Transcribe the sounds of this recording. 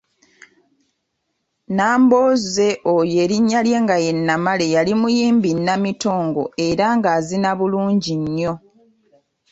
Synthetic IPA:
naːmbo̞ːze̞ʔoje̞ːɾiɲːalje̞ːŋɡaje̞nːamale̞jalimujiːmbinːamito̞ːŋɡo̞e̞ɾaŋɡaːzinaβuluːɲɟiɲːo̞

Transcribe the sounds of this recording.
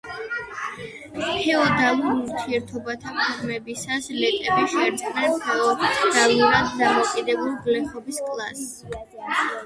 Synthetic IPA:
hʰɛɔd̪alˠuɾuɾt̪ʰiɛɾt̪ʰɔbat̪ʰapʰʼiɾmɛbisaslɛt̪ʼɛbiʃɛɾd̪snɛnpʰɛɔd̪̥alluɾad̪d̪amɔkʼid̪ɛbulˠɡlɛχɔbiskʼlˠa̰s

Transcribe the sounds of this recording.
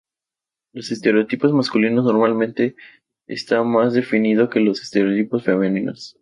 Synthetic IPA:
lo̞sest̪e̞ɾeot̪ipo̞zmaskulinozno̞ɾmalmẽnt̪e̞ | ḛst̪amazðe̞finið̞o̞ke̞lo̞se̥st̪e̞ɾeot̪ipo̞sfe̞menĩnos

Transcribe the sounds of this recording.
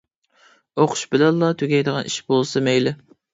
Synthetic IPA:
oqʰʊ̥ʃbɪlɛlˠːɑt̪ʰyɡʲɛjd̪əʁɑnʔiʃbolˠsɨmɛjlɪ

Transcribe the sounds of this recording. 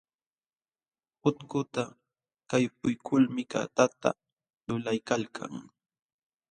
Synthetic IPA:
hʊt̪kʊt̪a | kajp̚ʊjkʰʊlmɪka̰t̪at̪a̰ | lʊlajkalkʰa̰ŋ

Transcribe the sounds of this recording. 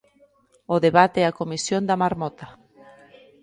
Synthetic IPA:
oðeβat̪ɛakomisjond̪amaɾmɔt̪a

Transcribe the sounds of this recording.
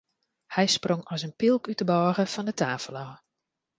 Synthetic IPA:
hɛjsproŋɔsənpilˠkytəbɔːɣəfɔndətʰaːfəlɔː

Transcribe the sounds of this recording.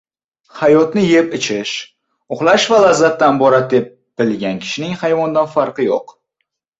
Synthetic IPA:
hajɒt̪nɪje̞pɪt͡ʃʰɪʃ | ʊχlˠaʃvalazːat̪ːanbɒɾat̪̚d̪e̞p̚ | b̥ɪlɡʲankʲʰɪ̥ʃɪnɪŋhajvɒnd̪anfaɾqɨjo̰q

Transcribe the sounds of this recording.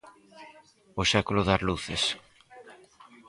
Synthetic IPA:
oʃakuloðazluθes

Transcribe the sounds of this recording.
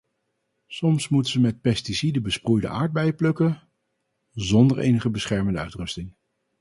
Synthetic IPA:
sɔmsmutəzəmɛt̚pɛstisidəbəsprujdə̰ʔa̰ːɹd̚bɛjplɵkə | zɔndəɹʔḛjnəχəbəsχɛɹməndəœɥtrɵstɪŋ

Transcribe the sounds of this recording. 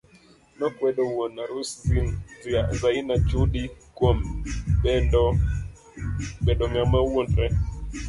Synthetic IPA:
nɔkwɛɗɔwɔnaɾusinzazainad͡ʒuɗikwɔmbɛɔ | ɓɛɗɔŋamawɔnɾɛ

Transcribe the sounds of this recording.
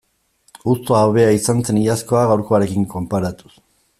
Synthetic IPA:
ust̪oaβe̞aisant͡se̞nijasko̞aɣawɾko̞aɾe̞kiŋko̞mpaɾat̪u̥s

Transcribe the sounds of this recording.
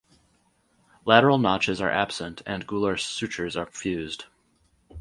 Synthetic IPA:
læɾə˞l̩ˠnɑt͡ʃɨzə˞ʔæb̥sə̃ntʰɨ̃nɡulˠə˞sʉt͡ʃə˞zə˞fjʉzd̥

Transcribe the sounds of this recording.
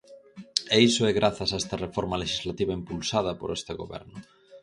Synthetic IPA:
eisoɛɣɾaθɐsaest̪ɐrefoɾmaleʃizlat̪iβaimpulsað̞ɐpo̰ɾest̪eɣo̰βɛ̰ɾnʊ

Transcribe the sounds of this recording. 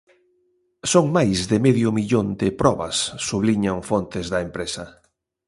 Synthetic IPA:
soŋmajzðɪmɛðjʊmiʎond̪ɪpɾɔβɐ̰sːuβliɲaŋfont̪ɪzðɐempɾesɐ

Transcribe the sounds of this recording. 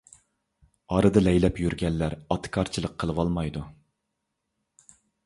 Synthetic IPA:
ɑɾɨd̪ɨlɛjlɛpjyɾɡʲɛnːæɾɑt̪ʰɨ̥kʰɑɾt͡ʃʰilˠəqʰːəlˠəwɑlˠmɑjd̪u

